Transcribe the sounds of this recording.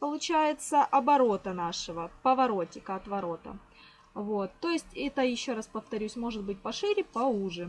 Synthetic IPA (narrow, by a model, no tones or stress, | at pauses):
pəlˠʊt͡ɕæjɪt̪səʔɐbɐɾo̞t̪ənaʂɨvəpəvɐɾo̞tʲɪkəɐt̪vɐɾo̞t̪ə̰ | vo̞t̪ːo̞jɪsʲtʲɛt̪əjɪɕːo̞ɾaspəft̪ɐɾʲʉsʲmo̞ʐɨt̪̚bɨtʲpɐʂɨɾʲɪpɐuʐɨ